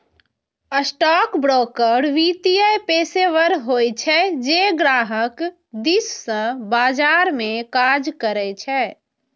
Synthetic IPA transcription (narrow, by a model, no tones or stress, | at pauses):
əsʈɔkbɾokəɽʋit̪ijəjpeseʋəɾɦojt͡ʃʰɛd͡ʒeɡɾaɦək | d̪isːə̃bad͡ʒaɾmekad͡ʒkəɾɛt͡ʃʰɛ